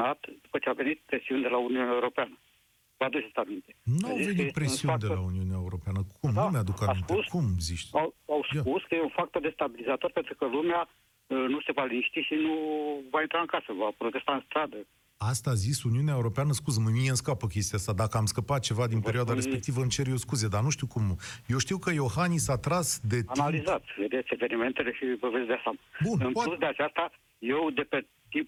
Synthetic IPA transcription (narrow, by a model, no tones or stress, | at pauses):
nat̪d̪upət͡ʃeave̞nit̪̚pɾe̞siunʲd̪e̞launiuneaeuɾo̞peanə | vad̪ut͡ʃest̪abilizenuawve̞nipɾesiund̪e̞launiuneaeuɾo̞peanəkʰumnumead̪ukaint̪euskumziʃt̪awawsapuskəjeunfakt̪ord̪e̞st̪abilizat̪o̞rpent̪ɾukəlumea | nuse̞valinʃt̪iʃinuvaint̪ɾaɨŋkasəvapɾot̪e̞st̪aɨnst̪ɾad̪ə | ast̪azisuniuneaeuɾo̞peanəskuzəməmijeɨnskapokʲe̞st̪ijast̪ad̪akəamskəpat̪̚t͡ʃe̞vad̪inpe̞ɾioad̪aɾeppe̞kt̪ivəɨnt͡ʃe̞ɾjewskuze̞d̪anuʃt̪iwkumje̞wʃt̪iwkəjo̞hanisat̪ɾasd̪e̞analizat̪sʲve̞d̪et̪sʲe̞ve̞nime̞nt̪eleʃivəvet̪sʲd̪easambunɨnplusd̪eat͡ʃast̪a | jewd̪e̞pe | t̪imp